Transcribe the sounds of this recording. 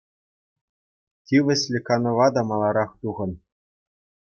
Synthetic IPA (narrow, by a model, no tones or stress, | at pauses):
tʲiʋʲɘ̆ɕʲlʲɘ̆kɑnɤ̆ʋɑd̪ɑmɑlˠɑɾɑχt̪uʁɤ̆n